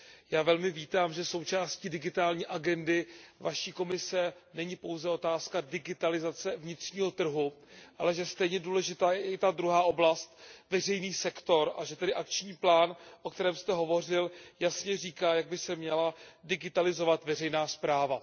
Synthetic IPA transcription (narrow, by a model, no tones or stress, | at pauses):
jaːvɛlmɪviːt̪aːmʒɛso̞wt͡ʃaːsciːdɪɡɪt̪aːlɲiːʔaɡɛndɪvaʃiːko̞mɪsɛnɛɲɪpo̞wzɛo̞t̪aːskadɪɡɪt̪alɪzat͡sɛvɲɪt̪r̝̥ɲiːɦo̞t̪r̩ɦuʔa̰lɛʒɛst̪ɛjɲɛduːlɛʒɪt̪aːjɛɪt̪ad̪ɾuɦaːʔo̞blast̪vɛrɛjniːsɛkt̪o̞ɾa̰ʒɛt̪ɛdɪʔakt͡ʃɲiːplaːnʔo̞kt̪ɛɾɛːmst̪ɛɦo̞vo̞r̝ɪljasɲɛriːkaːjaɡ̚bɪsɛmɲɛladɪɡɪt̪alɪzo̞vat̪vɛrɛjnaːspɾaːva